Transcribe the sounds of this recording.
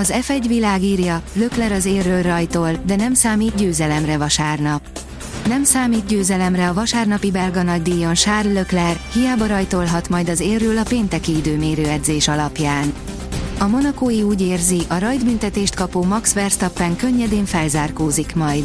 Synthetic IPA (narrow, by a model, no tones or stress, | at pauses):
ɒzɛfɛɟʋilaːɡiːrjɒløklɛɾɒzeːrːøːlrɒjt̪o̞ld̪ɛnɛmsaːmiːt̪ɟøːzɛlɛmrɛvɒʃaːrnɒp | nɛmsaːmiːt̪ɟøːzɛlɛmrɛɒvɒʃaːrnɒpibɛlɡɒnɒɟd̪iːjo̞nʃaːrlø̞klɛrhijaːbɒɾɒjt̪olɦɒt̪mɒjd̪ɒzeːrːøːlɒpeːnt̪ɛkiid̪øːmeːɾøːɛd̪zeːʃɒlɒpjaːn | ɒmo̞nɒkoːjiuːɟeːrziʔɒɾɒjd̪bynt̪ɛt̪eːʃt̪̚kɒpoːmɒksʋɛrst̪ɒpːɛŋkø̞ɲːɛd̪eːɱfɛlzaːrkoːzikmɒjd̪